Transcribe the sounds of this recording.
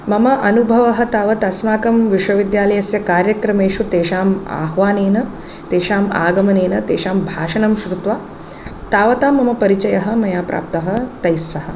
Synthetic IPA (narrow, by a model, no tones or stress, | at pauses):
mɐmɐʔɐnubʱɐʋɐɦɐ̆t̪aːʋɐt̪ɐsmaːkɐmʋiʂʋɐʋid̪jaːlɐjɐsjɐkaːɾjɐkɾɐmeːʂut̪eːʃaːma̰ːɦʋaːneːnɐ | t̪eːʃaːma̰ːɡɐmɐneːnɐt̪eːʂaːmbʱaːʂɐnɐmʃɾut̪ʋɐ | t̪aːʋɐt̪aːmːɐmɐpɐɾit͡ʃɐjɐɦɐ̆mɐjaːpɾʔa̰ːp̚t̪ɐɦɐ̆t̪ɐjsːɐhɐ̆